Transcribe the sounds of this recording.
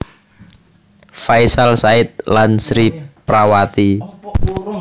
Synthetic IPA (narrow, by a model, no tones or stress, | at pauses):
faisalsaɪt̪̚lansɾipɾawat̪i